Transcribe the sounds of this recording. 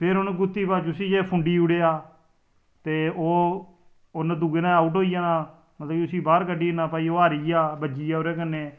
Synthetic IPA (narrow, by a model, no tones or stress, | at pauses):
pʰɪɾonɡʊt̪ːiːpaːt͡ʃʊsĩːd͡ʒeːpʰʊ̃ɳɖiːʊɽeːaː | t̪eːoː | oːnad̪uːɡeːnãːaːuːʈɦoːijaːnãː | mət̪ləʊsiːbaːɾkəɖiːnaːpaːiːoːəːɾiːaːbəd͡ʒiːaːoːɾɛːk̬ənːeː